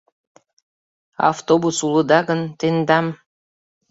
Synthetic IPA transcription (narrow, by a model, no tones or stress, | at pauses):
ɑ̰ft̪obusulˠɤ̆d̪ɑɡə̆nt̪end̪ɑm